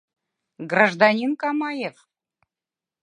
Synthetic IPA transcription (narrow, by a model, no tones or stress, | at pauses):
ɡraʒd̪ɑnʲinkɑmɑjef